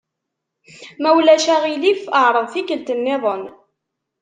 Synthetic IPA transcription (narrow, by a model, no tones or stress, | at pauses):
mæwlæʃæʁilifəʕɾˤəðˤθikəlt̪ənːɪðˤən